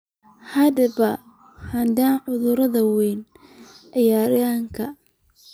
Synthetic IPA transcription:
hɐdɐβɐ | hɐnd̪aːnʕʊðʊɾɐðɐwɛjn | ʕɪjaːɾaːŋkʰɐ

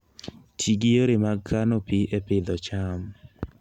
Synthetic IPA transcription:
tʰiɡijoɾemaɡkʰanopiʔepɪd̪ɔt͡ʃam

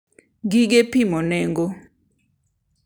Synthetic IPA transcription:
ɡiɡepimɔnɛŋɡo

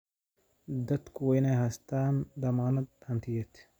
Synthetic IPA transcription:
d̪ɐt̪kujnaɦɐst̪aːnd̪ɐmaːnɐt̪̚ɐnt̪ʰijet̪

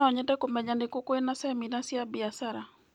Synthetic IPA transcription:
ɔɲɛtɛkomɛɲandekokoenasɛminasjabiasaɾa

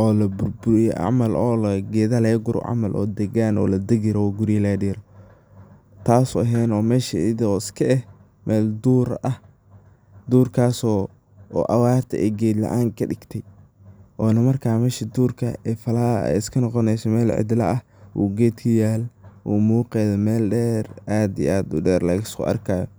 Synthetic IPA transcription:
ʔɔːlɐbʊrbʊɾɪjʕa̰mɐlʔɔːlɐɡɛːðɐlɛːɡʊɾɔ̰ʕa̰mɐlʔɔ̰ːd̪ɛɣanɔ̰ːlɐd̪ɛɡɪɾɔɡʊɾɪjɐlɛːdiːɾɔ | t̪ʰaːsʊɐɦɛːnɔːmɛːʃɪɪd̪ɔɪskʰɐʔɛh | mʔɛːld̪uːɾɐh | d̪uːrkʰaːsɔ̰ː | ʔɐwaːrt̪ʰɛɛ̰jɡɛːd̪lɐ̰ʔaːŋkʰɐɖɪɡ̥t̪ʰɛj | ʔɔːnɐmɐrkʰaːmɛːʃid̪uːrkʰɐɛfɐlaːɛ̰ɪskʰɐnɔqɔnɛjsɔmɛːlʕɪ̰d̪lɐʔɐh | wṵːɡɛːd̪kʰɐjaːlwṵːmuːqɛðɛmɛːlɖɛːrʔaːd̪iaːd̪uɖɛːrlɐɣɪskʰʊ̰ʔɐ̰rkʰaːjɔ

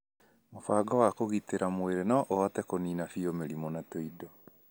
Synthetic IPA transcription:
mofaːɡɔwakoɣiteɾamoeɾenaʔoatɛkoniːnafiomeɾimɔnatoidɔ

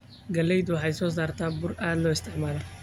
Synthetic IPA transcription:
ɡɐlːɛjd̪ʊwɑħɑjsɔːs̬aːrt̪ʰaːbʊraːd̪lɔːɪst̪ʰɪʕmaːlɛ

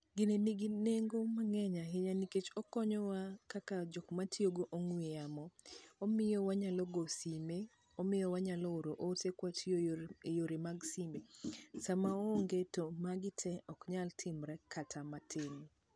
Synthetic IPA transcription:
ɡɪneniɡineŋɡomaŋɛɲaɦeɲaniket͡ʃɔkɔɲɔwakakad͡ʒɔkmatʰioɡoʔoŋwejamɔɔmɪjɔwaɲalɔɡosime | ɔmɪjɔwaɲalɔoɾoʔosekwatʰjojoɾemaɡsimesamaɔŋɡetomaɡɪtʰɛʔɔkɲaltʰɪmɾɛkʰatʰamatʰɪŋ

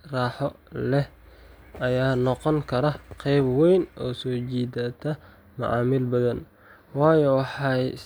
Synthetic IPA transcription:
raːħɔ | lɛh | ʔɐjaːnɔqɔŋkʰɐɾɐqʰɛjbwɛjnɔːsɔːt͡ʃiːd̪at̪ʰɐ | mʊ̰ʕɑ̰ːmɪlbɐðɐn | wɑːjɔwɑħɑj

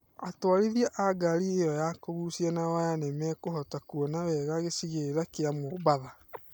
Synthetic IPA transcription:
atwaɾiðiaʔaɡaɾiejɔjakoɣusianawajanemɛkoɦɔtakuɔnawɛɣaɣesiɣeɾakeamobaða

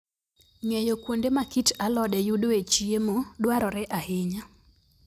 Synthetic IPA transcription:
ŋɛjokwondemakitalɔdɛjudoet͡ʃiemodwaɾɔɾɛʔahɪɲa

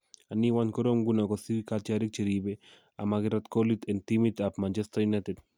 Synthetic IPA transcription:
aniwankoɾomɡunakosikat͡ʃaɾik̚t͡ʃeɾibe | a̰maɡɪɾat̪kolit̪ent̪imit̪apmant͡ʃɛstajunated

